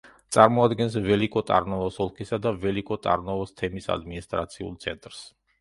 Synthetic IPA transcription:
t̪sʼaɾmɔad̪ɡɛnsvɛlikʼɔt̪ʼa̰ɾnɔvɔsɔlˠkʰisad̪avɛlikʼɔt̪ʼa̰ɾnɔvɔst̪ʰɛmisa̰d̪minist̪ʼɾat̪sʰiṵlˠt̪sʰɛnt̪ʼɾs

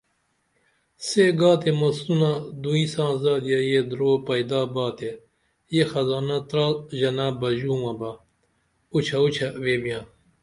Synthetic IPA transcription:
seɡaːt̪emɐsunad̪uĩsãːzaːd̪ijɐjed̪ɾoːpɐjd̪aːbaːt̪e | jexɐzaːnɐt̪ɾaːʑɐnaːbɐʑuːmɐbɐ | ut͡ɕʰɐut͡ɕʰɐweːbijãː

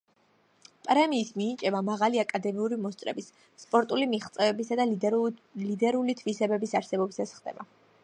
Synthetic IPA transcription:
pʼɾɛmiːsmiːt͡ʃʼɛbamaʁaliakʼad̪ɛmiuɾimɔst̪sʼɾɛ̰bisː | pʼɔɾt̪ʼulimiχt̪sʼɛvɛbisad̪a | lid̪ɛɾulit̪ʰvisɛbɛbisaɾsɛbɔbisasχd̪ɛ̰ba

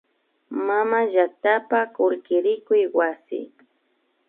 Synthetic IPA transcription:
mamaʒak̚t̪apakʊɾkɪɾɪkʊjwasɪ̰

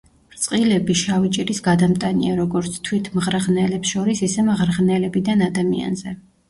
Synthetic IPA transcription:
ɾt̪sʼqʼilɛbiʃavit͡ʃʼiɾisɡad̪amt̪ʼaniaɾɔɡɔɾt̪sʰt̪ʰwit̪ʰmʁɾʁnɛlɛpsʃɔɾisisɛmʁɾʁnɛlɛbid̪anad̪amia̰nzɛ

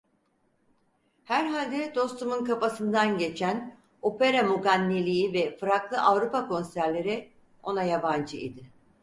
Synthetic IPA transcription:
hæɾɦalʲd̪ɛd̪o̞st̪ʰumunkapasɯnd̪anɟe̞t͡ʃʰæn | o̞pe̞ɾamuɡanːilʲijivɛfɯɾaklˠɯʔavɾupakʰo̞nsæɾlʲe̞ɾɪ | o̞najaband͡ʒɯḭd̪ɪ

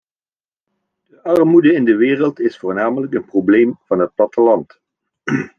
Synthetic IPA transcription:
d̥əʔɑrmudəɪndəʋɪːrəlˠtɪsfʊːɹnaːmələkənproblejmv̥ɑnɦət̚plɑtəlɑnt

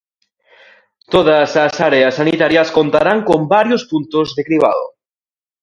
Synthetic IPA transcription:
t̪oð̞asasaɾeasːanit̪aɾjaskont̪aɾaŋkombaɾjospunt̪ozðekɾiβ̞a̰ðo

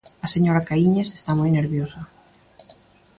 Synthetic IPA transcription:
ɐseɲoɾakaiɲese̥st̪amojneɾβjosɐ

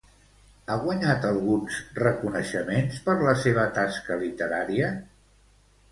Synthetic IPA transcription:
aɣwəɲat̪əlˠɣunzrəkunəʃəmenspəɾləseβ̞ət̪askəlit̪əɾaɾiə

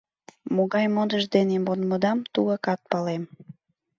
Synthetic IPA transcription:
moɣɑjmod̪əʒd̪enemonməd̪ɑmt̪uɣəkɑt̪̚pɑlem

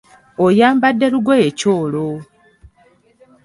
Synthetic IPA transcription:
ojaːmbadːe̞ɾuɡoecoːlo

